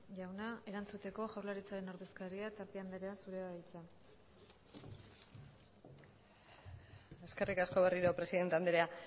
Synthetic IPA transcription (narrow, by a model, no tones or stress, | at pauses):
ʝawnae̞ɾant͡sut̪e̞ko̞ʝawɾlaɾit͡saɾe̞nawɾðe̞skaɾiat̪aɾp̪iand̪eɾeasuɾe̞ajt͡sa | e̞ske̞rikasko̞βe̞riɾo̞pɾe̞siðe̞nt̪eand̪eɾea